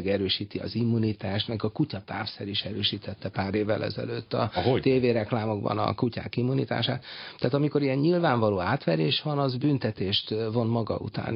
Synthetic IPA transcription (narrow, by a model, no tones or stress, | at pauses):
ɡɛɾøːʃiːt̪iɒ̰zimːunit̪aːʃnɛkɒkucɒt̪aːfsɛɾiʃɛɾøːʃiːt̪ɛt̪ːɛpaːɾeːvːɛ̰lʔɛ̰zɛ̰løːt̪ːɒ̰t̪eːveːɾɛklaːmo̞ɡbɒ̰nɒ̰kuca̰ːkimːunḭt̪a̰ːʃa̰ːt̪t̪ːaːt̪ɒmiko̞ɾijɛɲɲilvaːɱvɒloːaːt̪ʋɛɾeːʃʋɒnɒzbynt̪ɛt̪eːʃt̪vo̞nmɒɡɒ̰ṵt̪a̰ːn